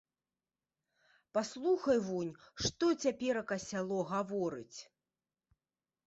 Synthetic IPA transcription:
paslˠuxɐjvunʲʂt̪ɔt͡sʲapʲɛɾɐkɐsʲalˠɔɣavɔɾɨt͡sʲ

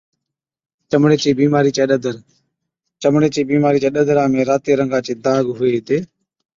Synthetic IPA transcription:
t͡ʃəmɽeːt͡ʃeːbiːmaːɾiːt͡ʃeːɗəd̪əɾ | t͡ʃəmɽeːt͡ʃeːbiːmaːɾiːt͡ʃeːɗəd̪ɾãːmẽːɾaːt̪eːɾəŋɡaːt͡ʃeːd̪aːɡɦʊeːt̪eː

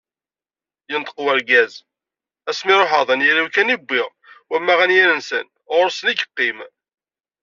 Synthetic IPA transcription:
jənt̪ə̥qwæɾɡæz | æsmɪɾˤoħəðˤænjæɾuwkænibːɪʁ | wæmːæʁænjæɾənsə̰n | ʁʊɾsəniɡə̥qːim

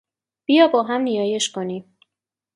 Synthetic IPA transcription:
b̥ijɒːbɒːɦæmnijɒːje̞ʃkʰo̞niːm

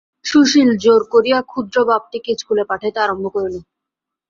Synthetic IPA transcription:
ʃuʃild͡ʑoɾkoɾijakʰud̪ɾobab̚ʈ̪ikit͡ɕʰkʰulepaʈʰet̪eaɾombʱokoɾili

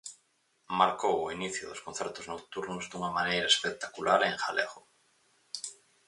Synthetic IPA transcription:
maɾkowoiniθjoðoskonθeɾt̪oznowt̪uɾnozd̪uŋamanejɾaespek̚t̪akulaɾeŋxa̰leɣo

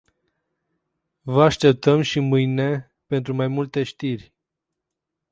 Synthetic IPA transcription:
vəaʃt̪e̞p̚t̪əmʃimɨjne̞ | pe̞nt̪ɾumajmult̪e̞ʃt̪irʲ

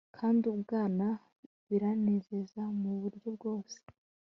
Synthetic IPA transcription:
kʰaːndiubɡaːna | βiɾaneze̞zamuβuɾɟo̞bɡo̞ːse̥

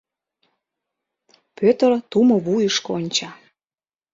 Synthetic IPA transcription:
pøt̪ərt̪umoβujəʃkonʲt͡ɕɑ

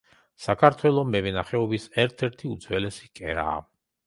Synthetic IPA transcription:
sakʰaɾt̪ʰwɛlˠɔmɛvɛnaχɛɔbisɛɾt̪ʰɛɾt̪ʰiud̪zwɛlɛsi̥kʼɛ̰ɾa̰ː

